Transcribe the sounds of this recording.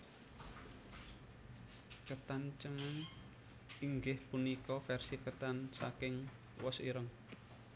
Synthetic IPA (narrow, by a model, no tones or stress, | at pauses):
kət̪ant͡ʃəŋən | iŋɡɪhpunikɔfɛrsikət̪ansa̰kɪŋ | wɔsiɾəŋ